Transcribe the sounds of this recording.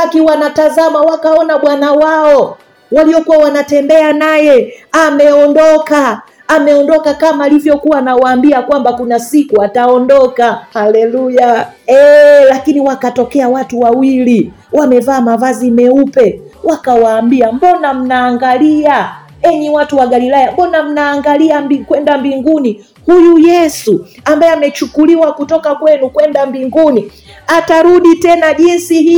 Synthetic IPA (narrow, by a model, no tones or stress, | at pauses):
akiwanatazamawakaɔnaɓwanawaɔ | waliɔkuwawanatɛmbɛanajɛamɛɔndɔkaː | mɛɔndɔkakamaːlivjɔkuwanawaːmbiakwambakunasikuataɔndɔkahalɛluja | ɛlakiniwakatɔkɛawatuwawili | wamɛvaːmavazimɛupɛwakawaːmbiam̩bɔnam̩naːŋɡalia | ɛɲiwatuwaɡalilajambɔnam̩naːŋɡaliaikwɛndambiŋɡuni | hujujɛsuambajɛamɛt͡ʃukuliwakutɔkakwɛnukwɛndambiŋɡuni | ataɾuɗitɛnaʄinsiɦi